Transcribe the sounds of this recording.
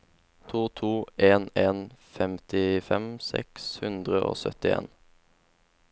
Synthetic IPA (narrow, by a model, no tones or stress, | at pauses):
t̪ʰuːt̪ʰuːeːneːnfɛmt̪ɪfɛmsɛ̰kshʉnd̪ʁəʔo̰ːsœ̰t̪ɪḛːn